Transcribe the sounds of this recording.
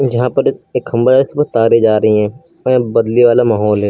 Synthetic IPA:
d͡ʒɐɦãpɐɾeːkxɐ̃mbəɾskepɐt̪aːɾed͡ʒaːɾɐɦiɦɛ̃ː | ɛ̃bɐd̪liʋaːlamaːɦɔːlɦɛː

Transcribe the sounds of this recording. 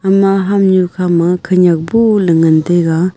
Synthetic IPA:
amaɦamɲukʰamaŋkʰəɲak̚poləŋənd̪eɣaŋ

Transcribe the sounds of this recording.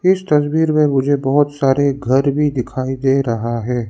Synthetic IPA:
ɪst̪ɐsbiːɾmẽmʊd͡ʒʱebɐɦʊt̪saːɾeɡʱɐɾbʱid̪ɪkʰaːid̪eːɾɐɦaɦɛː

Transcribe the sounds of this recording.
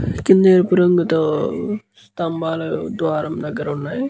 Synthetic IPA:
kind̪ejɾpuɾɐŋɡut̪o | st̪ɐmbaːlɐd̪ʋaːɾɐmnɐɡɐɾunːaːj

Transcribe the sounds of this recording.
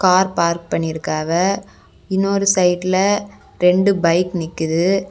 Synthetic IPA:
kaːɾpaːɾk̚pɐɳːɪɪɾɯkːaːɣɐ | ɪnːoːɾɯsɐɪʈɪlɐ | ɾɛɳɖɯbɐɪknɪkːɯðɯ

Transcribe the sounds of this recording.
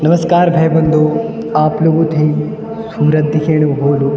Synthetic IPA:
nɐmɐskaːɾbʱejbɐnd̪oː | aːploːɡut̪ʰĩ | suːɾɐt̪̚ːikʰeːɽ̃uɦoːlu

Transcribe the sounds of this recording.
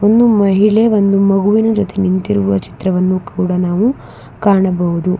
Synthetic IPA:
o̞nd̪umɐɦiɭe̞ʋo̞nd̪umɐɣuʋinɐd͡ʒot̪enint̪iɾuʋuʋɐ̰t͡ʃi̥t̪ɾɐʋɐnːukuːɽɐnaːʋu | kaːɳɐbɐʋud̪u

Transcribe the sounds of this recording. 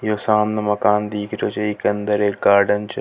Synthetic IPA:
joːsaːmnɐmɐkaːnd̪iːkʰɾjoːt͡ʃɐikɐ̃nd̪əɾeːkɡaːɾɖənt͡ʃ

